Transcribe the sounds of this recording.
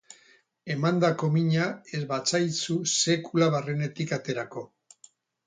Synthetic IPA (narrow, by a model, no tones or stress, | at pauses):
e̞mand̪ako̞miɲae̞zβat͡sajt͡suse̞kulaβarene̞t̪ikat̪e̞ɾako̞